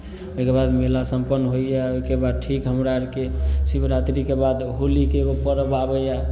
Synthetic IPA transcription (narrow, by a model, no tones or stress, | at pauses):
oɦikebad̪melasəmpənːɦoijaoikebad̪̚ʈʰikɦəmɾaɾkesibɾat̪ɾikebad̪ɦolikeopəɾəbabəja